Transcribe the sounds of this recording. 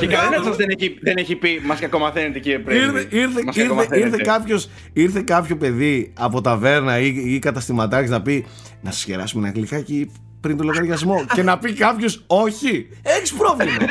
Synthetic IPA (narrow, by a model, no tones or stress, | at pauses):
cekɐlinɐsɐzðeneiðeneçipimɐsɐko̞mɐθenet̪eciɾiepɾeiɾeiɾθeɐsɾθeiɾθe̞kɐpço̞s | iɾθe̞kɐpço̞pe̞ðiɐpo̞t̪ɐve̞ɾnɐiikɐt̪ɐst̪imɐt̪ɐcznɐpi | nɐsɐ̥sçeɾɐ̰sumenɐɣlikɐci | pɾint̪oloɣɐɾʝɐzmo̞ce̞nɐpikɐpço̞so̞çi | e̞çispɾo̞vlimɐ